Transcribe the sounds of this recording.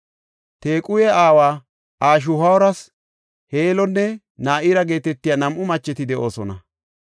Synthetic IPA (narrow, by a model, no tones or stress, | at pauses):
t̪eːkʼʊjɛaːwaː | ʔaːʃ̬ʊhɐwɔɾɐs | heːlɔnːɛ | naːʔɪːɾɐɡe̞ːt̪ɛt̪ːɪjanɐmʔʊmɐt͡ʃːɛt̪ɪd̪ɛʔo̞ːsɔnɐ